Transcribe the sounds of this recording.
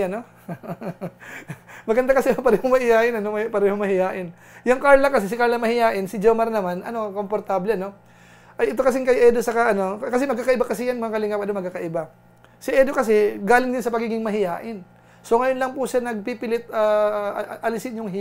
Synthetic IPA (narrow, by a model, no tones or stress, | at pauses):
ɐno | mɐɡɐnd̪akɐsɛpɐɾɛːhoŋmɐhɪjaːʔɪnɐnopɐɾɛːhoŋmɐhɪjaːʔɪn | jɐŋkaɾlɐkɐsɛsɪkaɾlɐmɐhɪjaːʔɪnsɪd͡ʒomɐɾnɐmanʔɐ̰no̞ko̞mpoɾt̪ablɛɐno̞ | ʔɐjɛt̪o̞kɐs̬ɪŋkɐjʔɛːd̪osɐkɐʔɐno̞kɐs̬ɛmɐɡ̚kːakɐʔɪbakɐsɛjanmɐŋakɐlɪŋapɐnomɐɡkːakɐʔɪba | sɪʔɛd̪okɐsɛɡaːlɪŋd̪ɪnsɐpɐɡiːɡɪŋmɐɦɪjaːʔɪn | so̞ŋɐjonlɐŋpusanɐɡ̚pipɪlɪt̪̚aːʔɐlɪsɪnjʊŋɦ